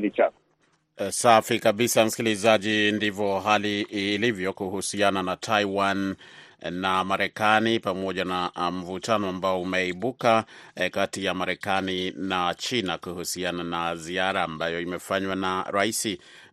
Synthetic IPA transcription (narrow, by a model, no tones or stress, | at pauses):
lit͡ʃak | safikaɓisam̩skilizaʄindivɔɦalilivjɔkuhusiananatʰaiwanː | amaɾɛkanipamɔʄanam̩vutanɔambaɔumɛiɓukakatijamaɾɛkaninat͡ʃinakuhusiananaziaɾaːmbajɔimɛfaɲwanaɾaisi